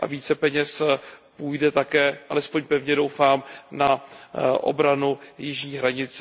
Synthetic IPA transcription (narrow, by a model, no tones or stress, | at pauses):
ʔa̰viːt͡sɛpɛɲɛspuːjdɛt̪akɛːʔalɛspo̞ɲpɛvɲɛdo̞wfaːmnaʔo̞̰bɾanujɪʒɲiːɦɾaɲɪt͡s